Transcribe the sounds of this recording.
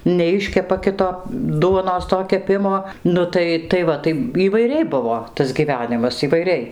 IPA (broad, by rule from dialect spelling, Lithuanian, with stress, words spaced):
nʲɛˈɪʃʲkʲɛpɐ ˈkʲɪtoː ˈduɔnoːs toː kʲɛˈpʲɪmoː ˈnʊ tɐɪ tɐɪ ˈʋɐ tɐɪ iːʋɐɪˈrʲɛɪ ˈbʊʋoː tɐs ɡʲiːˈʋʲæːnʲɪmɐs iːʋɐɪˈrʲɛɪ